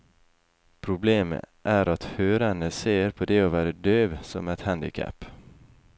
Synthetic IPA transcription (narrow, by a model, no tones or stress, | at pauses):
pʰɾʊbleːmə̰ʔæːɾɑt̪høːɾənəseːɾpʰoːd̪ɛoːʋæːɾəd̪øːʋsɔ̰mɛt̪hænd̪ɪ̰kʰæ̰p